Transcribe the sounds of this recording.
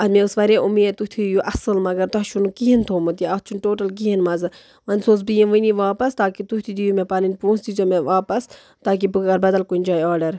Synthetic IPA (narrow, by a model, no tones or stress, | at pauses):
ɐmẽusʋɐɾeʔumeːt̪ut̪ʰijuʔɐsɨlmɐɡɐɾt̪ɐɦʃunukiɦint̪ʰoːmɨt̪iɐt͡ʃʰunʈoːʈɐlk̬iɦinmɐzɨ | ʋɐnʲsoːs̬bijinʋɨniʋaːpɐst̪aːkit̪ut̪ʰid̪ijumepaːninʲpũːnsd̪izomeʋaːpɐs | t̪aːk̬ibɨkɡɐɾbɐd̪ɐlkunʲd͡ʒaːjaːɖɐɾ